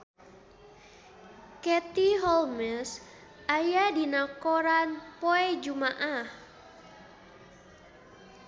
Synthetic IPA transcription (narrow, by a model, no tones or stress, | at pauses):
kɛt̪iɦɔlmɛs | ʔajadinakɔɾanpoɛd͡ʒumaʔah